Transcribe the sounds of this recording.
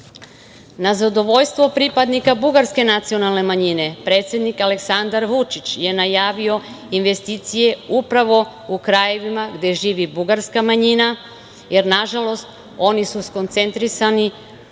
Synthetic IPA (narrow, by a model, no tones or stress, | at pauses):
nazad̪o̞ʋo̞ʎst̪ʋo̞pɾipad̪nikabuɡaɾske̞nat̪sio̞nalˠne̞maɲine̞pɾe̞ːt̪sje̞d̪nikale̞ksand̪aɾʋut͡ʃit͡ɕje̞najaːʋio̞ | inʋe̞st̪iːt̪sije̞upɾaʋo̞ | ukɾaje̞ʋimaɡd̪e̞ʒiːʋibuɡaɾskamaɲina | je̞ɾnaʒalˠo̞st̪ | o̞nisusko̞nt̪se̞nt̪ɾisani